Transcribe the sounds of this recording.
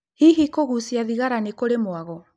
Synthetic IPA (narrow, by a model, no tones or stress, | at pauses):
hiɦikoɣusiaðiɣaɾanekoɾemoaɣɔ